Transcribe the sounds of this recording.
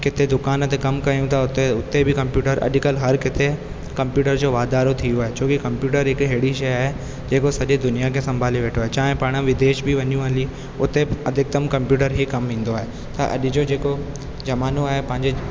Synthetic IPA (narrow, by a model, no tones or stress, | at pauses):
kɪt̪ed̪ʊkaːnət̪kɐmkɐijũt̪ʰaʊt̪eʊt̪ːebʱikɐ̃mpjuːʈəɾɐ̰ʄkəlɦɐɾkɪt̪ʰe | kɐ̃mpjuːʈəɾd͡ʑoːʋaːd̪aːɾot̪ʰijoaːɦet͡ɕʰõːkikɐ̃mpjuːʈəɾɪkɦeːɽiʃɐjaːɦe | d͡ʑeːkosɐʄed̪ʊnijakʰesɐ̃mbʱaːliʋeːʈʰoaːɦet͡ɕaːɦẽpaɽ̃ə̃ʋɪd̪eːʃbʱiʋɐɲjũaːli | ʊt̪eɐd̪ʱɪk̚t̪əmkɐ̃mpjuːʈ̬əɾɦikɐmɦĩːn̆d̪oaːɦe | t̪ɐ̰ʔɐ̰ʄd͡ʑoːd͡ʑeːko | d͡ʑɐmaːnoaːɦepɐ̃ɦɪ̃ɲd͡ʑe